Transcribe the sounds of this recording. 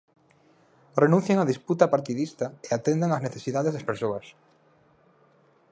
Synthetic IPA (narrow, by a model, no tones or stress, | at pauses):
renũn̟θjaŋaðisput̪ɐpaɾt̪iðist̪ɐeat̪end̪aŋazneθesiðaðezðɐspeɾsoɐs